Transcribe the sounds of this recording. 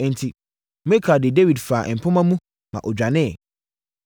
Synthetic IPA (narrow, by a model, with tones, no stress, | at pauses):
n̩˨tʰi˨ | me˦kʰa˨dɪ˨de˦wi˨dfaː˨ʔɛ˨m̩˨pʰʊ̃˦mã˦mũ˦ | mã̰˨ʔɔ˨d͡ʑᶣa˨nɪ̃˦˨